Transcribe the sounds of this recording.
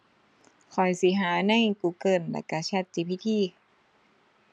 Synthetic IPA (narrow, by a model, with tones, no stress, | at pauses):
kʰɔ˨˩jsi˨˦ɦaː˨˦na˧˥˨jkuː˧˩kɤː˧˩˨nlɛ̰˧˩ka˧˩t͡ɕʰa˧˩t̪t͡ɕi˧˩pʰi˧˥˩t̪ʰiː˧˩˨